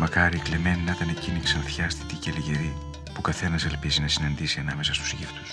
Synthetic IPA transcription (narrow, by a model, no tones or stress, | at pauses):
mɐkɐɾikleme̞ninɐt̪ɐneciniksɐnθçɐst̪i̥t̪iceliʝe̞ɾi | pukɐθe̞nɐselpizinɐsinɐnd̪isiɐnɐme̞sɐst̪u̥sʝifnus